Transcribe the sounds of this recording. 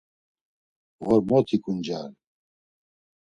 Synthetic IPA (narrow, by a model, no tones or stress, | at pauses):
ɣɔɾmot̪ʰikund͡ʒaːl